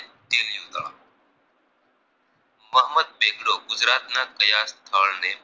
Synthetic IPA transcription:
t̪iːljuːd̪aːa | məɦməd̪̚beːɡɽoːɡʊzɾaːt̪naːt̪kəjaːst̪ʰaːlneː

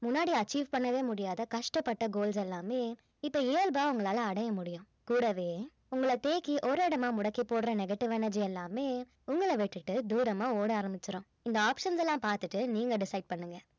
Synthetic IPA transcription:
mʊnːaːɽiɐt͡ʃːiːʋpɐɳːɐʋeːmʊɽɪjaːðɐkɐʂʈɐpːɐʈːɐɡoːlsɛlːaːmeː | ɪpːoeːlbaːʊŋɡɐɭaːlɐːɽɐjɐmʊɽɪjʊ̃ | kuːɽɐʋeː | ʊŋɡɐɭɐt̪eːkiʔɔɾɯɪɽɐmaːmʊɽɐkːipoːɽɾɐnɛɡɐʈːɪʋɛnɛɾd͡ʒɪɛlːaːmeː | ʊŋɡɐɭɐʋɛʈːɯʈːɯd̪uːɾɐmaːoːɽɯaːɾɐmbɪt͡ʃːɪɾõː | ɪnd̪ɐaːpʂɐnsɛlːãːpaːɾt̪ɯʈːɯniːŋɡɐɖɪsɐɪɖ̚pɐɳːɯŋɡɐ

